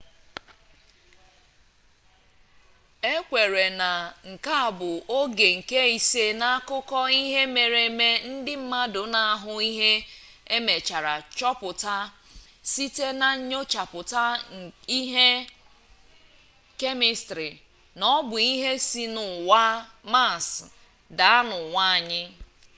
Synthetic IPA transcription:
e˦kʷe˨ɾe˨na˨ŋ̩˨ka˦a˨bʊ˨o˦ɡe˨ŋ̩˨ke˦i˨se˦na˦a˦kʊ˦kɔ˦i˦ɦe˦me˨ɾe˨me˦n̩˦dɪ˦m̩˦ma˦dʊ˨na˨a˦ɦʊ˦i˦ɦe˦ | e˦me˨t͡ʃa˨ɾa˨t͡ʃɔ˦pʊ˨ta˦ | si˦te˦na˨ɲ̩˦ɲo˦t͡ʃa˨pʊ˨ta˦i˦ɦe˦ | ke˦mɪ˨stɾi˨ | nɔ˦bʊ˨i˦ɦe˦si˦nʊ˨wa˦ma˦˨s | da˨a˦nʊ˨ŋʷa˦˨ɲɪ˦

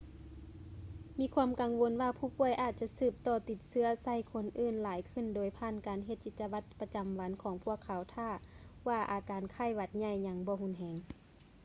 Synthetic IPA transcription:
miː˧˥kʰwuː˧˥mka˨ŋʋo˧˦nwaː˧pʰuː˧˩pu˧˩əjʔaː˧˩t̪̚t͡ɕa˧˥sɯː˧˩p̚t̪ɔː˧˩t̪i˧˩t̪̚sɯ˧˨ɐsa˧˩˨jkʰo˧˥nʔɯː˧˨nlaː˨˦jkʰɯ˧˩˨ndoː˨˦jpʰaː˧˨nkaː˨nɦe˧t̪̚t͡ɕi˧t̪̚t͡ɕːa˧wa˧˥t̪̚pa˧t͡ɕa˨mʋa˨˦nkʰɔː˨˦ŋpʰu˧˥˩əkʰːa˨˦wt̪ʰaː˧˩waː˧˩ʔaː˨˩kaː˨nkʰaː˧˥˨jʋa˧˩t̪̚ɲa˧˩jɲa˧ŋbɔː˧˦hu˧˥˨nɦɛː˧˦ŋ

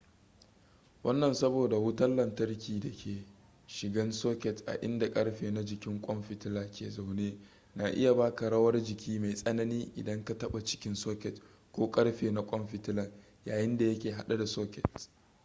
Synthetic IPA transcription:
wɐ˦nːɐ˨nsɐ˦boː˨da˨wʊ˦tɐ˦nlɐ˨ntɐ˦rkʲiː˨dɐ˨kʲʰeː˨ | ʃɪ˨ɡɐ˦nsoː˦kʲɛ˨tʔa̰˨ʔɪ̰˦nda˨kʼɐ˦ɽɸeː˨na˦d͡ʒɪ˨kʲɪ˦ŋkʷʼɔ˦mɸɪ˨tɪ˦laː˨kʲeː˨za˨wneː˦ | naː˨ʔɪ̰˦ja˨baː˦ka˨ɽɐ˦wɐ˦rd͡ʒɪ˨kʲʰiː˦ma˨jsʼɐ˦nɐ˦niː˦ʔɪ̰˨dɐ˦ŋka˨tɐ˦ɓa˨t͡ʃɪ̥˦kʲɪ˦nsoː˦kʲɛ˨t | kʷoː˦kʼɐ˦ɽɸeː˨na˦kʷʼɔ˦mɸɪ˨tɪ˦lɐ˨ | jaː˨jɪ˦nda˨jɐ˦kʲeː˨ɦa˨ɗa˦da˨soː˦kʲɛ̰˨t

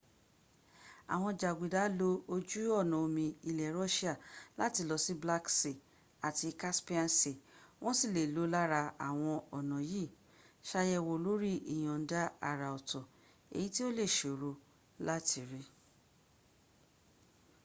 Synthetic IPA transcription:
a̰˨w̃ɔ̃˧d͡ʒa˨ɡi˨da˨˦lo˧o˧d͡ʒu˦ɔ˦˨nɔ̃˨o˧mĩ˧i˧lɛ˨ɾɔ˦ʃi˦a˦˨la˦ti˧˦lɔ˧si˦bla˦kse˨ | a˨ti˧ka˦spi˦a˦˨nse˨w̃ɔ̃˦si˦˨le˨lo˨˦la˦ɾa˧a̰˨w̃ɔ̃˧ɔ˨nã˨ji˦˨ | ʃa˧jɛ˧wo˨lo˦ɾi˦ḭ˨j̃ɔ̃˨n̩˦da˦a˦˨ɾa˨ɔ˨tɔ˨ | ḛ˨ji˦ti˦o˦le˦˨ʃo˨ɾo˨˧ | la˦ti˧ɾe˦

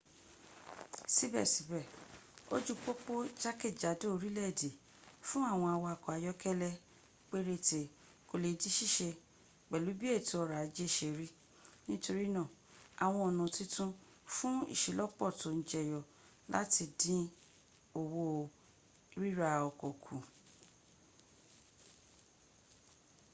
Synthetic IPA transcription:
si˦bɛ̰˦˨si˨˦bɛ˦˨o̰˦d͡ʒu˦k͡po˦k͡po˦d͡ʒa˦ke˦˨d͡ʒa˨˦do˦o˨˧ɾi˦lɛ˦˨de˨ | fũ˦a˦˨w̃ɔ̃˧a˧˨wɔ˧a˨kɔ˨a˨jɔ˦kɛ˦lɛ˧ | k͡pe˦ɾe˧˦te˨ | ko˧le˨di˦ʃi˦˨ʃe˧ | k͡pɛ˨lu˨˦bi˦e˦˨ti˧˦ɔ˧ɾa˨˦d͡ʒe˦˨ʃe˨ɾi˦ | nĩ˦to˧ɾi˦nã˦˨ | a˨w̃ɔ̃˧ɔ˨nũ˨ti˦tũ˦ | fũ˦ḭ˦˨ʃi˨lɔ˦k͡pɔ˦˨tõ˨n̩˨d͡ʒɛ˨jɔ˨ | la̰˦ti˧dĩ˦ | o˨wo˧˨˦ | ɾi˦ɾa˧ɔ˨kɔ˨kʰũ˨

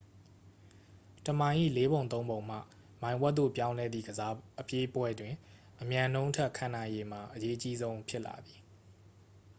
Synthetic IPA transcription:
tə˨mã˨ɪ̃ʔḭ˦˨le˦βõ˨nt̪̬õ˦ʊ̃mbõ˨ʊ̃m̥a̰˦˨ | mã˨ɪ̃wɛ˦t̪t̪o̰˦˨pjã˦ʊ̃lɛ˦d̪ðḭ˦˨ɡəza˦ʔəpje˦pwɛ˦dwɪ̃˨ | ʔəmjã˨nõ˦ʊ̃tʰɛ˦ʔkʰã˨nã˨ɪ̃je˨m̥a˨ʔəje˦ʔət͡ɕi˦zõ˦ʊ̃pʰjɪ˦ʔla̰˨d̪ði˨

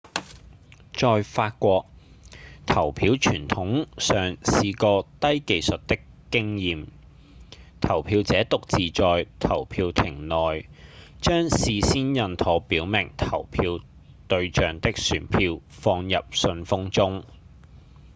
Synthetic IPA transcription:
t͡ʃɔː˨˧jfaː˧t̚kʷɔː˧k̚ | t̪ʰɐ˨˩wpʰiː˨˥wt͡ʃʰyː˨˩nt̪ʰʊ˨˥ŋsœː˨ŋsiː˨˧kɔː˧t̪ɐ˥jke˨˧jsɵ˨t̚t̪ɪ˥kː | ɪ˥ŋjiː˨m | t̪ʰɐ˨˩wpʰiː˧wt͡sɛː˨˥t̪ʊ˨k̚t͡siː˨t͡ʃɔː˨jt̪ʰɐ˨˩wpʰiː˧wt̪ʰɪ˨˩ŋnɔː˨jt͡ʃœː˥ŋsiː˨siː˥njɐ˧nt̪ʰɔː˨˥piː˨˥wmɪ˨˩ŋt̪ʰɐ˨˩wpʰiː˧w | t̪ɵ˧ɥt͡ʃœː˨ŋt̪ɪ˥k̚syː˨˩npʰiː˧wfɔː˧ŋjɐ˨p̚sɵ˧nfʊ˥ŋt͡sʊ˥ŋ

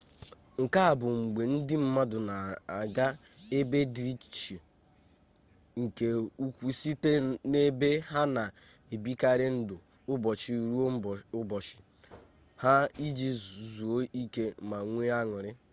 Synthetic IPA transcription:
ŋ̩˨ka˦a˨bʊ˨ŋ͡m̩˨ɡ͡be˨n̩˦dɪ˦m̩˦ma˦dʊ˨na˨a˨ɡa˦ | e˦be˦dɾi˦t͡ʃi̥˨t͡ʃe˨ | ŋ̩˨ke˨u˦kʷu˦si˦te˦ne˦be˦ɦa˦na˨ | e˨bi˦ka˦ɾɪ˦n̩˦dʊ˨ | ʊ˦bɔ˨t͡ʃi˦˨ɾu˦˨˦bɔ˨t͡ʃɪ̥˨ | ha˦i˦d͡ʒi˦zu˨o˦i˦ke˦ma˨ŋʷe˦a˦ŋʊ˨ɾɪ˦

